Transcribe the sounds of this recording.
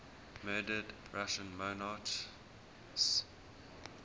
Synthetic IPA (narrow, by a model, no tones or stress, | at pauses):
mɜːdədɹaʃə̃nmonɑt | s